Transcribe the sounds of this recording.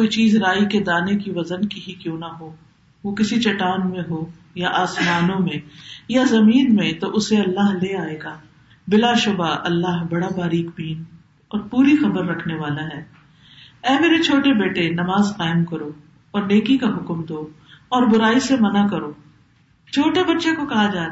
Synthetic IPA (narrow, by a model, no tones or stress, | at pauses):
koːit͡ʃiːzɾaːiked̪aːnekiʋɐzənkiɦikjõːnɐɦoː | ʋokɪsit͡ʃɐʈaːnmẽɦoː | jaʔaːsmaːnõmẽjazɐmiːnmẽt̪oʔʊseɐlːaːɦleaːeːɡaː | bɪlaʃʊbaʔɐlːaːɦbɐɽabaːɾiːkbiːn | ɔːɾpuːɾixɐbəɾːɐkʰneʋaːlaɦɛː | ɛːmeːɾet͡ʃʰoːʈebeːʈenɐmaːzqaːɪmkɐɾoː | ɔːɾneːkikaɦʊkmd̪oː | ɔːɾbʊɾaːisemɐnakɐɾoː | t͡ʃʰoːʈebɐtːʃekokɐɦad͡ʒaː